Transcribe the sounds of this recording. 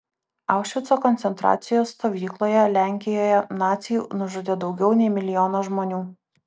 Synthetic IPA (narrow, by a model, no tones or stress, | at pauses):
ɑˑʊkʃʲʋʲɪt̪sokɔnʲt̪sʲɛnt̪ɾɑ̰ːt̪sʲɪjoːsːt̪oːʋʲiːklˠoːjɛlʲæˑŋʲkʲɪjoːjɛnɑːt̪sʲɪjṵːnʊʒʊd̪ʲed̪ɒʊɡʲɛʊnʲɛɪmʲɪlʲɪjɔːnoːʒmoːnʲuː